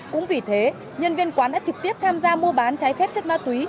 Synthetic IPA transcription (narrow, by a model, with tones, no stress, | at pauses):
kʊ̰˧˥ŋ͡mvi˨˩t̪ʰe˨˦ | ɲə˧nvi˧ənkwaː˨˦nɗa̰ː˧˥t͡ɕɨ˨˩k̚t̪i˦˥əp̚t̪ʰaː˧mzaː˧mu˧əɓaː˨˦nt͡ɕaː˨˦jfɛ˦˥p̚t͡ɕə˦˥t̚maː˧˩t̪wi˨˦